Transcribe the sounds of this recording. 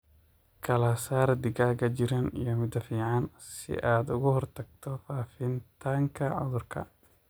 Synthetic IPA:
kʰɐlɐsaːrd̪ɪɡaːɣɐd͡ʒɪɾɐnḭjɔmɪd̪ɐfiːʕɑnsɪ̰ʔaːd̪ʊɣʊhɔrt̪ʰɐɡ̚t̪ʰɔfaːfɪnt̪ʰaːŋkʰɐʕʊ̰ðʊrkʰɐ̰

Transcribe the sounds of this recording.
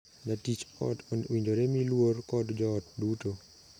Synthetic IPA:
natit͡ʃɔ̰donwiɲd͡ʒoɾemilworkɔdd͡ʒɔːt̚duto

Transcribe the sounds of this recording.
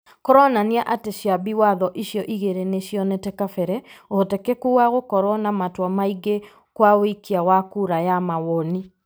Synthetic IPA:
koɾɔnaniaʔateɕjabiwaðɔʔiɕjɔʔiɣeɾeneɕjɔnetɛkafɛɾɛotekekuwaɣokɔɾwɔnamatwamaiɡe | kwawikiawakuɾajamawɔni

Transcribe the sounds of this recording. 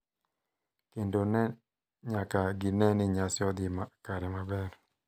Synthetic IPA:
kendonɛ | ɲakaɡinɛnɪɲasɪɔd̪ɪmakaɾɛmabɛr

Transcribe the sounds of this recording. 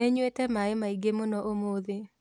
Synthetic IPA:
eɲwetɛmaemaiɡemonɔʔomoðe

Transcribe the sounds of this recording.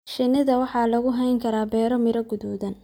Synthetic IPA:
ʃɪnɪðɐwɑħɑːlɐɣʊɦɛjŋkʰɐɾaːbɛːɾɔmɪɾɐɡʊðɔːðɐn

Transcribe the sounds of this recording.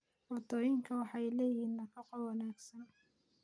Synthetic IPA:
wɔrd̪ɔːjɪŋkʰɐwɑħɑjlɛːjɪhiːnːɐkʰɐqɔwɑnaːɡsɐn

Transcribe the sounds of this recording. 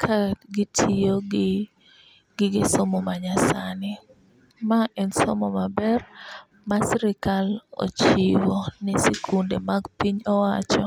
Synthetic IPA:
kʰaɡɪtʰijoɡɪ | ɡɪɡɪsomɔmaɲasanɪ | maʔɛnsɔ̰mɔmabɛr | masɾɪkalo̰t͡ʃiwɔnɪsikʰundemaɡpiɲɔwat͡ʃɔ

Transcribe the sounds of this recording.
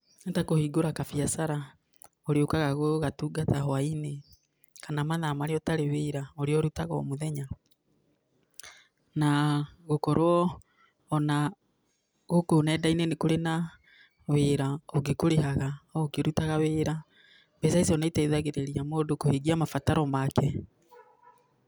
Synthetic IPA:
ntakohiɡoɾakafiasaɾa | oɾeokaɣaɣoɣatuːɡatahwaine | kanamaðaːmaɾeɔtaɾeweːɾaoɾeɔɾutaɣɔ̰moðɛɲa | naɣokɔɾwɔː | na | ɣokonɛːdainenekoɾena | weɾaɔɡekoɾeɦaɣaokeɾutaɣaweːɾa | bɛsaisɔnaitɛiðaɣeɾeɾiamoːdokoheɡiamafataɾɔmakɛ

